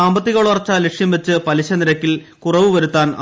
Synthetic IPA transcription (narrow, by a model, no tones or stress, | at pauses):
aːmbɐt̪ːiɣoːɭɐrɐt͡ɕːɐlekʂjɐmʋet͡ɕːɨpɐliɕɐniɾɐkːil | kurɐʋɨʋɐɾut̪ːaːnɐ̰